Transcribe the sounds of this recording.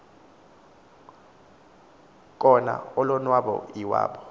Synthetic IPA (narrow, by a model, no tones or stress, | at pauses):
k̬ʼɔna̰ɔlɔnwaɓɔ̰iwa̰ːɓɔ